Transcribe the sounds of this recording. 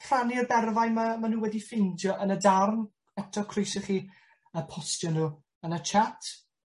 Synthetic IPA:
r̥aniəbɛrvajmamanuːwɛdifɪndjɔʔənədarn | ɛtʰɔkʰrojsəχiː | əpʰɔstjɔnu | ənət͡ʃʰatʰ

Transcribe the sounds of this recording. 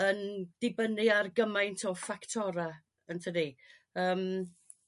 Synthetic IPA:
ənd̥ɪbənɨarɡəmajntʰɔfaktʰɔɾa | əntʰəni | əːm

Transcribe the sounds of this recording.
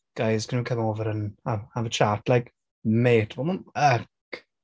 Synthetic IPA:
ɡ̥ajskʰənunkʰəmɔːvəɾənaavət͡ʃʰatʰlajk | meːtʰvomʊnək

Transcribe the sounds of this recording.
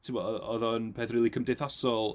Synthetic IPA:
tʰɪmɔɔðɔnpʰɛθriːlˠikʰəmdeθasɔlˠ

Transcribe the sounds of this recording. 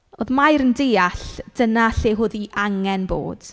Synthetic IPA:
oːðmajɾəndeːaɬd̥ənaɬeːɦʊðiʔaŋɛnbo̰ːd̥

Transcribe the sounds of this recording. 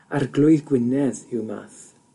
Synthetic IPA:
arɡlʊɨðɡwɪnɛðɪwma̰ːθ

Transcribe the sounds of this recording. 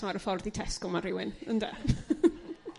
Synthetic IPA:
aɾəfɔrðitʰɛskɔmaɾɪwɪnəndɛ

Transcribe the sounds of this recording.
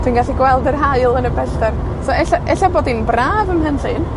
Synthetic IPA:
tʰwiːnɡaɬiɡwɛlˠdərɦaɨlˠənəbɛɬdɛr | soɛɬaʔɛɬɔboːdinbraːvəmɦənɬɨn

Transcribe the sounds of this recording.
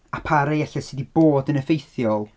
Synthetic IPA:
apʰaɾɛjɛɬɛsɪdiboːdənəfejθjɔlˠ

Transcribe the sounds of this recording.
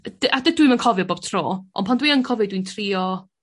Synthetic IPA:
dʔadədwimənkʰɔviɔboːb̥̚tʰro̰ːɔ̰npʰandwiːənkʰɔvɪdwintʰriːɔ

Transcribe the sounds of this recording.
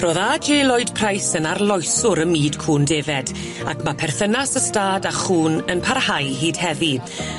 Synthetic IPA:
roːðad͡ʒeːlˠɔɨd̥pʰrajsənarlˠɔjsʊɾəmiːdkʰuːndeːvɛd | akʰmapʰɛrθənasəstaːdaχuːnənpʰarhajɦiːd̥hɛvi

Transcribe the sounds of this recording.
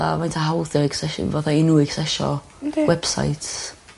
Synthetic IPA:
a̰vajntʰaɦawθjɔɪksɛʃvaθainuːɪksɛʃɔ̰ | wɛb̥sa̰jtʰ

